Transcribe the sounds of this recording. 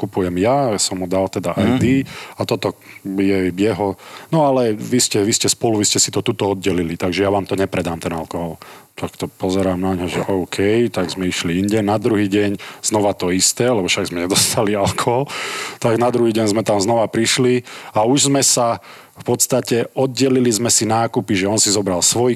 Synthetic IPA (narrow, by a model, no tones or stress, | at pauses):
kupujɛmjasɔmɦud̪alt̪ɛd̪aʔajd̪iat̪ɔt̪ɔjɛjɛɦɔnɔalɛʋiscɛʋiscɛspɔluʋiscɛsi̥t̪ɔt̪uːt̪ɔɔd̪̚ɟɛlilit̪aɡʒɛjaʋaːmt̪ɔɲɛpɾɛd̪aːmt̪ɛnalkɔɦɔlt̪akt̪ɔpɔzɛɾaːmnaɲɦɔʒɛ̰ʔɔʊkʰɛjt̪aɡzmɛiʃliiɲɟɛnad̪ɾuɦiːɟɛɲz̥nɔʋat̪ɔist̪ɛːlɛbɔfʃaɡzmɛɲɛd̪ɔst̪alialkɔɦɔlt̪aɡnad̪ɾuɦiːɟɛɲzmɛt̪amznɔʋapɾiʃliauʒzmɛsa | fpɔt̪st̪acɛɔd̪̚ɟɛlilizmɛsinaːkupiʒɛɔnsizɔbɾalsʋɔj